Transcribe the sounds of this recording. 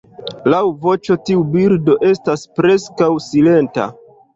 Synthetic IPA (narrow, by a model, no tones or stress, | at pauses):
lawvo̞t͡ʃo̞tiubiɾdo̞ʔe̞staspɾe̞skawsile̞nta̰